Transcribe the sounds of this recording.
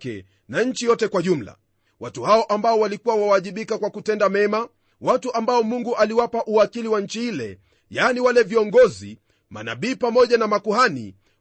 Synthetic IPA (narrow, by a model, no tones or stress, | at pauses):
kɛ̰ | naɲ̩t͡ʃijɔtɛkwaʄum̩la̰ | watuhaɔʔambaɔwalikuwawawaʄiɓikakwakutɛndamɛma | watuʔambaɔmuŋɡuʔaliwapaʔuakiliwaɲ̩t͡ʃihilɛ̰ | janiwalɛviɔŋɡɔzḭ | ma̰na̰ɓiːpamɔʄanamakuhanḭ